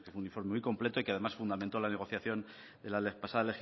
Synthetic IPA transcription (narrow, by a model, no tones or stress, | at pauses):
kefweunĩɱfo̞ɾme̞mujko̞mple̞t̪o̞ikeaðe̞masfund̪amẽnt̪o̞lane̞ɣ̞o̞θjaθjo̞n | d̪e̞lalepasaðele̞xi